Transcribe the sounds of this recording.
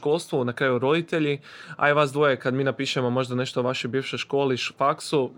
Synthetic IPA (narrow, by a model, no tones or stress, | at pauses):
ko̞lˠst̪ʋunakɾaːjuɾo̞d̪it̪e̞ʎi | a̰jʋasd̪ʋojekad̪miːnapiːʃemo̞mo̞ʒd̪ane̞ʃt̪oʋaʃojbiːʋʃojʃko̞ːliʃfaksu